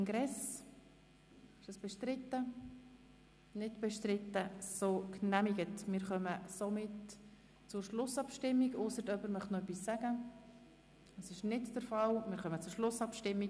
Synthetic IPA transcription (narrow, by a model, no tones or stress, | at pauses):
ŋɡɾɛs | ɪʃəsb̥ɛʃtɾɪtːə | nɪtb̥ɛʃtɾɪtːəsoːknæmiɡətmɪːɾχœməsomɪt | t͡sʊɾʃlʊsɑpʃtɪmːiɡʊsəɾtœpəɾmœχtnɔœpːisːæɡ̥ə | əsɪʃnɪtd̥əɾfɑlmɪːɾχœmət͡sʊɾʃlʊsɑpʃtɪmːik